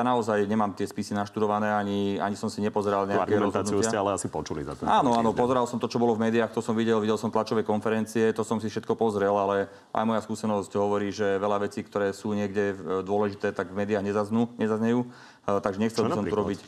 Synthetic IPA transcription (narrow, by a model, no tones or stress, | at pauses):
jaːnaɔzajɲɛmaːmt̪ɪɛspisinaʃt̪ud̪ɔʋanɛːaɲia̰ɲisɔmsiɲɛpɔzɛɾalɲɛaaɾɡɛɾɛɾɔzɦ̪ɔnuiuɪaalɛasipɔt͡ʃulḭza̰t̪ɛa̰ːnɔaːnɔpɔzɛɾalsɔmt̪ɔt͡ʃɔbɔlɔvmɛːd̪iaːxt̪ɔsɔmʋiɟɛlʋiɟɛlsɔmt̪lat͡ʃɔʋɛjkɔnfɛɾɛnt͡siɛt̪ɔsɔmsifʃɛt̪kɔpɔzɾɛlalɛ | ʔa̰jmɔjaskuːsɛnɔscɦɔʋɔɾiːʒɛʋɛlaʋɛt͡siːkt̪ɔɾɛːsuːɲɪɛɡɟɛd̪ʊɔlɛʒit̪ɛːt̪aɡvmɛːd̪iaːɣɲɛzaznuːɲɛzazɲɛjuː | t̪aɡʒɛɲɛxt͡sɛlbsɔmt̪uɾɔbic